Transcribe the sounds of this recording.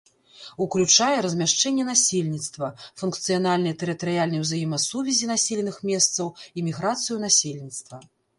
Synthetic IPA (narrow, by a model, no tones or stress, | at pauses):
uklʲut͡ʂajɛɾɐzʲmʲaʂt͡ʂɛnʲːɛnasʲelʲnʲit̪st̪vɐfunkt̪sɨjanalʲnɨjɛt̪ɛɾɨt̪ɐɾɨjalʲnɐjwzajimɐsuvʲɛzʲinasʲelʲɛnɨxmʲɛst̪sɐwimʲiɣɾat̪sɨjunasʲelʲnʲit̪st̪vɐ